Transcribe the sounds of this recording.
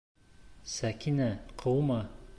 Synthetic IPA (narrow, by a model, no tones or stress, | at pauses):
sækinæqʰɤwmɑ